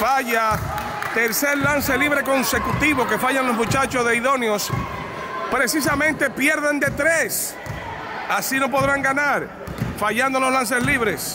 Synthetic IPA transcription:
faʝa | t̪e̞ɾse̞ɾlanse̞liβɾe̞ko̞nse̞kut̪iβo̞ke̞faʝanlozmũt͡ʃat͡ʃo̞zðe̞iðo̞njo̞s | pɾe̞sis̬amẽnt̪e̞pje̞ɾðend̪e̞t̪ɾes | asino̞p̬o̞ðɾaŋɡanaɾ | faʝand̪o̞loslans̬e̞sliβɾe̞s

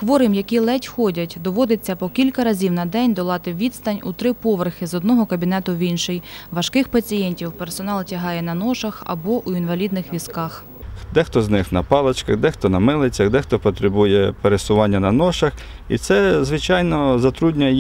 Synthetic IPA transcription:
xʋɔɾɪmjɐkʲilˠɛtʲxɔdʲɐtʲd̪ɔʋɔd̪ɪt͡sʲːɐpɔkʲilʲkɐɾɐzʲiwnɐd̪ɛnʲd̪ɔlˠɑt̪ɪʋʲid̪st̪ɐnʲut̪ɾɪpɔʋerxɪzɔd̪nɔɦɔkɐbʲin̪ɛt̪ʊʋʲinʃɪjʋɐʃkɪxpɐt͡sʲijɛnʲtʲiwpersɔnɑlˠtʲɐɦɑjɛnɐnɔʃɐxɐ̰bɔʔuinʋɐlʲid̪nɪxʋʲiskɑx | d̪ɛxt̪ɔznɪxnɐpɑlˠɐt͡ʃkɐɣd̪ɛxt̪ɔnɐmɪlˠet͡sʲːɐd̪ɛxt̪ɔpɔt̪ɾebujɛpeɾesʊʋɑnʲːɐnɐnɔʃɐx | ḭt̪sɛzʋɪt͡ʃɑjnɔzɐt̪ɾudʲnʲɐ

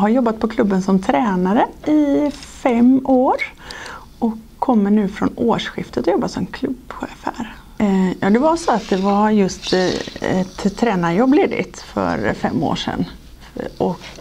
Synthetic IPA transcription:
ɦaɾjɔbːat̪̚pʰɔkʰlɵbːənsɔmt̪ʰɾɛːnaɾəɪfɛmːoːɾ | ʔɔkʰːɔmːəɳʉ̟ːfɾɔ̰noːʂɧɪft̪ət̪ɔjɔbːat̪sɔmkʰlɵbɧḛːfhæ̰ɾ | jɑ̰ːd̪ɛvasɔat̪̚d̪ɛvajɵst̪ɛt̪ʰːɾɛːnaɾjɔbːleːd̪ɪ̰t̪fœ̰ɾfɛ̰mːo̰ːʂɛ̰nː | ʔɔk

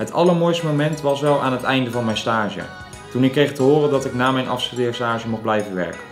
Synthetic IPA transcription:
ɦətʰɑlˠəɹmoːjstmomɛntʋɑsʋɛlˠaːnɦətɛjndəvɑnmɛjnstaːʒə̰ | tunɪkːrejχtəɦʊːrəndɑtɪknaːmɛjnʔɑ̰fsədɪːɹstaːʒəmuχblɛjvəʋɛ̰ɹkə̥n

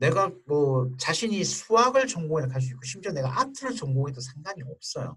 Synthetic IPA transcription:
ne̞ɡamʌt͡ɕaɕʰiɲisʰuaɡɯɭt͡ɕʌŋɡoekʰaɭs̬͈uik͈oɕʰimd͡ʑʌne̞ɡaʔatʰɯɾɯt͡ɕʌŋɡoɡedosʰaŋɡaɲiʌp̚s͈ʌjo̰

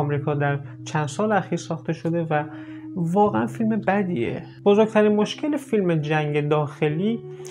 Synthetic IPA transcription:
ɒmɾiːkʰɒːd̪æɾt͡ʃʰænd̪sɒːleæxiːɾsɒːxt̪e̞ʃo̞d̪e̞vævɒːɣeænfilme̞bæd̪ḭːḛ | b̥ozoɡ̚t̪ʰæɾinmoʃcʰe̞lefilmed͡ʒæŋɟe̞d̪ɒːxe̞liː

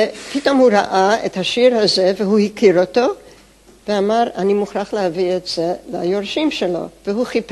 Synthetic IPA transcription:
pito̞mhuɾa̰ʔaḛthaʃiɾhazeveɦuhikʰiɾoto̞ | veamaʁanimuχɾaχlehavietz̥eleajoʁʃimʃelo̞̰veɦuχip

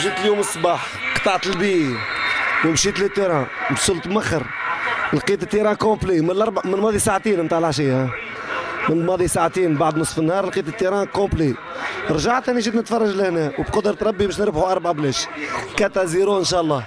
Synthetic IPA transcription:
ʃit̪əljuːməsˤːbɑːħ | qt̪ɑʕt̪əlbiː | wəmʃiːt̪lit̪ːiɾɑ̃bsʊlt̪maxɾlqiːt̪ət̪ːiɾɑ̃ːkõplimɪnlʔɑɾˤbamɪnmɑːðˤisaʕt̪iːnmt̪aːʕlʕaʃ̬ij | mɪnmɑːðˤisaʕt̪iːnbaʕd̪nəsˤfənːhɑːɾˤlqiːt̪ət̪ːiɾɑ̃ːkõpli | ɾˤʒaʕt̪hænːiʃ̬iːt̪nət̪fɑrˤːɑʒləhnɛwbqʊd̪ɾɑt̪ɾˤɑbːibæːʃnəɾbħuʔɑɾˤbʕablɛʃkæt̪æziɾuənʃɑːʔɑlˤːɑː

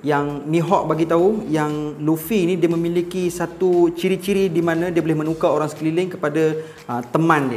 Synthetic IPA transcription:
jaŋmĩɦɔʔbaɡit̪aujaŋlufiːnĩdiəmə̃milikisat̪ut͡ʃiɾit͡ʃiɾidimãnãdiəbolɪhmə̃nukaoɾaŋsə̥klilɪŋkəpada | ət̪əmãndiə

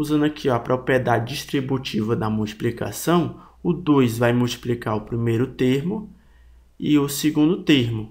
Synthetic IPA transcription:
uzɐ̃nd̪ʊɐkʰiɐpɾʔopɾiɛd̪ad͡ʒɪd͡ʒiʃt̪ɾibut͡ʃivɐd̪ɐmuwt͡ʃi̥plika̰sɐ̃w̃ | ʊd̪ojzvajmuwt͡ʃi̥plikaɾʊpɾimejɾʊt̪eɾmʊ | ɪʊseɡũnd̪ʊt̪eɾmʊ

